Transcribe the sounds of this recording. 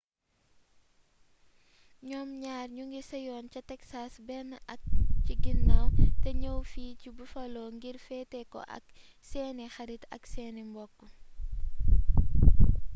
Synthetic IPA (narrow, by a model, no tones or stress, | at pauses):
ɲɔmɲaːrɲuŋɡisɐjɔːncɐtɛksasbɛnɐk̚ciɡinːawtɛɲɐwfiːcibufɐlɔːŋɡiɾfɛtɛkɔ̰ʔɐ̰k | sɛːnixɐɾitɐ̰ksɛːnimbɔkːɔ